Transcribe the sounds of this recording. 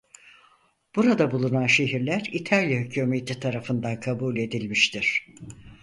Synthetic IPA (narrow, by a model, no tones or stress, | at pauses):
b̥uɾad̪abulˠunanʃe̞ɦiɾlʲæɾit̪ʰalʲjahycʰuːmet̪ʰit̪ʰaɾafɯnd̪ankʰabuːlʲe̞d̪ilʲmiʃt̪ʰiɾ̥